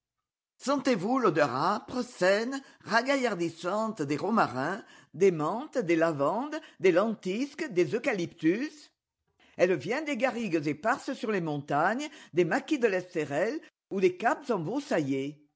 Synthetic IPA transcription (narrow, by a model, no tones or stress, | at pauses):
sɑ̃t̪evulod̪œʁapχəsɛn | ʁaɡajaʁd̪isɑ̃t̪d̪eʁomaʁɛ̃ | d̪emɑ̃t̪d̪elavɑ̃d̪d̪elɑ̃t̪iskd̪ezokalipt̪ys | ɛlvjɛ̃d̪eɡaʁiɡəzepaʁsəsyʁlemɔ̃t̪aɲəd̪emakʲid̪əlɛst̪eʁɛl | ud̪ekapzɑ̃bosaje